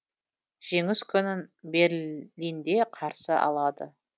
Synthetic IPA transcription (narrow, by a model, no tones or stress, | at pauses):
ʒ̥e̞ŋɪskʲʰʏnɪnbe̞ɾlijnd̪e̞qʰɑɾsəʔɑ̰lˠɑd̪ə̰